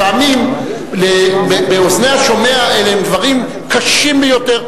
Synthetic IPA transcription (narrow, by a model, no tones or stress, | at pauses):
aamim | lebebeoznejhaʃo̞me̞aeleemd̪vaʁim | kaʃimbejo̞t̪e̞ʁ